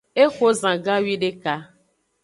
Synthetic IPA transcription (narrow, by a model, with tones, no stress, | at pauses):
e˦xo˦zã˨ɡã˦wi˦ɖe˦ka˦